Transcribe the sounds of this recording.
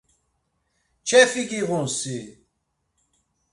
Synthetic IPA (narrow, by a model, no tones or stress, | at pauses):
t͡ʃʰɛfikiɣũnsi